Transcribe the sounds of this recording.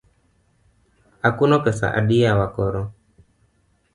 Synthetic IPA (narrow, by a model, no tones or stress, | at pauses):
akunɔkɛsa̰ʔa̰ɗijawakɔɾɔ